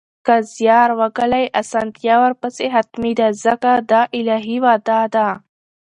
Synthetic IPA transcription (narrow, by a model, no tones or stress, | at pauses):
kazjɑːɾwaɡalajʔasant̪ijawaɾpaseɦat̪mid̪azɐkad̪aʔɪlaɦiwad̪aːd̪a